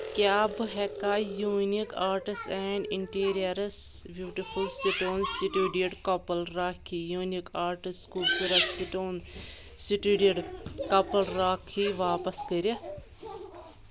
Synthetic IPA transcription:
kʲjaːbɨɦɛkaːjuːnikaːɾʈisʈɛːɳɖiɳʈiːɾijɐɾɐsbjuːʈifʰulsiʈoːnsiʈuːɖiɐɖkɐpɐlɾaːkʰijuːnikaːɾʈisʈkubsiɾɐsiʈoːn | siʈiɖiɽkɐpɐlɾaːkʰːiʋaːpɐskəɾʲɐ

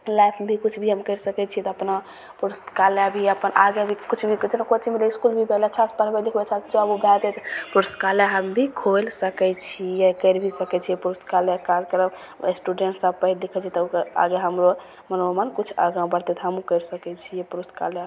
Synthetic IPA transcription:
lajpʰbʱikut͡ʃʰbʱiɦəmkəɪɾsəkɛt͡ʃʰit̪ɔəpna | puɾskaljabʱiəpənʔaɡebʱikut͡ʃʰbʱikit̪nakot͡ʃʰimeleiskulbʱibʱelet͡ʃʰaspəɾbɛd̪ikʰbet͡ʃʰasd͡ʒoəbubʱɛt̪ɛt̪puɾskaljaɦəmbʱikʰolsəkɛt͡ʃʰijekəɾbʱisəkɛt͡ʃʰiepuɾuskaljakad͡ʒkəɾəm | sʈuɖeɳʈsab̚pəɦild̪ikʰət͡ʃʰit̪ɔukəa̰ɡeɦəmɾo | mənomənkut͡ʃʰa̰ɡãbəɾt̪ɛt̪ɦəmukəɾsəkɛt͡ʃʰijepuɾuska̰lja

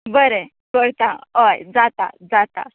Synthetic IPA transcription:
bəɾe | kəɽt̪ãəjd͡zat̪a̰d͡zat̪a̰

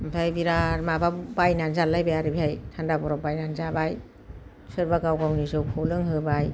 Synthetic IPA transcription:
mpʰajbiɾaɾmababajnanzalːajbajaɾɯbiajtʰandabɔɾɔbajnanzabaj | sɯɾbaɡawɡawnizɯwpʰɔlɯŋɦɯbaj

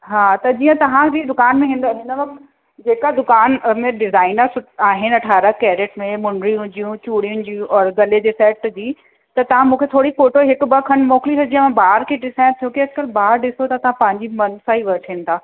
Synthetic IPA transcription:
ɦaːt̪ɐd͡ʑiːə̃t̪ɐʋ̤ãd͡ʑid̪ʊkaːnmẽɦɪ̃nd̪ɦɪ̃nəʋɐk | d͡ʑeːkad̪ʊkaːnmẽɖɪzaːɪnəsʊʈaːɦɪnɐʈʰaːɾəkɛːɾeːʈmẽmʊɳɖɾijũd͡ʑijũt͡ɕuːɽijʊ̃nɪ̆d͡ʑiɔːɾɡɐled͡ʑeːsɛːʈd͡ʑiː | t̪ɐt̪ɐʋ̤ãmũːkʰet̪ʰoːɽifoːʈoɦɪkʊbɐkʰɐnmɔːklisɐd͡ʑʱiə̃mãbaːɾkʰeɖɪsaːɪ̃t̪ʰjoːkeɐd͡ʑkɐlbaːɾɖɪsot̪ɐt̪ɐʋ̤ãpɐ̃ɦɪ̃ɲd͡ʑimɐnsãːɦiʋɐɾʈʰiːnɪt̪ʰaː

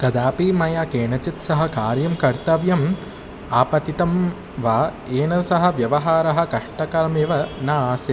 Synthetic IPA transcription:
kɐd̪aːpiːmɐjaːkeːɳɐt͡ʃit̪sɐɦɐ̆kaːɾjɐmkɐɾt̪ɐʋjɐm | aːpɐt̪it̪ɐm | ʋaː | eːɳɐsɐɦɐ̆ʋjɐʋɐɦaːɾɐɦɐ̆kɐʂʈɐkɐɾɐmeʋɐnaːsɐ

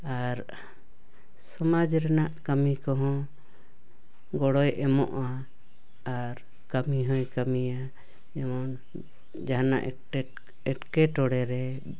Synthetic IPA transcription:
aɾ | sɔmad͡ʒɾɛnaʔkamikɔɦɔ̃ | ɡɔɽɔjʔɛmɔ̰ʔaː | ɾ | kamiɦɔ̃jkamija | ɛmɔn | d͡ʒaɦana̰ʔ | ɛʈkɛʈɔɽɛɾɛ

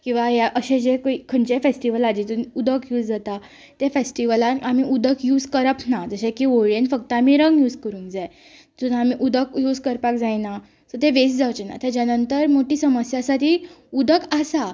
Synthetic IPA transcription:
kĩw̃ʋaɦjaʔəɕẽd͡ʑekoikʰəɳt͡ɕefesʈiʋəlad͡ʑit̪unud̪əkjuːd͡zd͡zat̪a | t̪efesʈiʋəlanamiʔud̪əkjuːd͡zkəɾəpnad͡zəɕẽkioɭenfəkt̪əamiɾəŋɡjuːd͡zkəɾũːnkd͡zae | t̪unamiʔud̪əkjuːd͡zkəɾpakd͡zajna | sɔt̪eʋes̬d͡zawt͡ɕena̰t̪ad͡ʑjanənt̪əɾmoʈiːsəməsjasaʈʰiːud̪əkasa

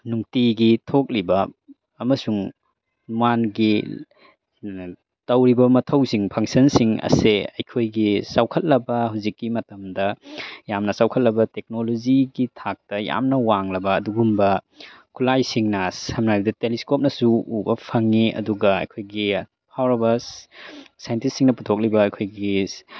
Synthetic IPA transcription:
nuŋtiɡitʰok̚libɐ | ɐmɐsuŋ | manɡi | tɐwɾibɐmɐtʰɐwsiŋpʰɐŋsɐnsiŋɐ̰seɐ̰jkʰojɡisawkʰɐt̚lɐbɐhuzikːimɐtɐmdɐjamnɐsawkʰɐt̚lɐbɐtek̚noloziɡitʰak̚tɐja̰mnɐwaŋlɐbɐːduɡumbɐ | kʰulajsiŋnashɐmnajbɐdɐteliskop̚nɐsuːbɐpʰɐŋiʔɐ̰duɡɐɐ̰jkʰojɡi | pʰawɾobɐs | sajntistːiŋnɐputʰok̚libɐːjkʰojɡi

